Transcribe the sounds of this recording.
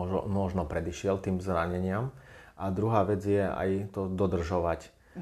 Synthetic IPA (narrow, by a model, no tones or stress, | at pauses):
mɔʒnɔpɾɛd̪iʃɪɛlt̪iːmzɾaɲɛɲɪamʔad̪ɾuɦaːʋɛd͡zjɛa̰jt̪ɔd̪ɔd̪r̩ʒɔʋac